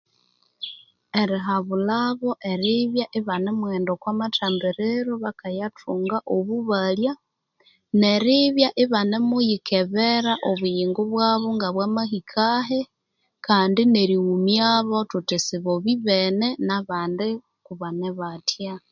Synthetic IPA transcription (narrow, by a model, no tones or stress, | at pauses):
eɾiɦaβulaβo̞ʔeɾiβjaʔiβanemweːndokwamataːmbiɾeɾoβakajatʰuːŋɡaʔoβuβalja | neɾiβjaʔiβanemujikʰeβeɾaʔoβujiːŋɡuβwaːβoŋɡaβwamahikʰaɦe | kaːndineɾiɣumjaβotutisiβoβiβenenaβaːnde | kuβaneβatja